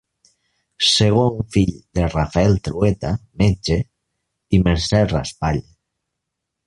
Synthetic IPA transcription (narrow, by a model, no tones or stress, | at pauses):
seɣ̞oŋfiʎd̪erafaɛlt̪ɾuet̪ament͡ʃe | imeɾsɛra̰spaʎ